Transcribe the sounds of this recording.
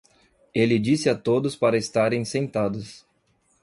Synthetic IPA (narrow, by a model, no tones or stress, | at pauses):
elɪd͡ʒisɪat̪od̪ʊspaɾɐɪst̪aɾẽj̃sẽnt̪ad̪ʊs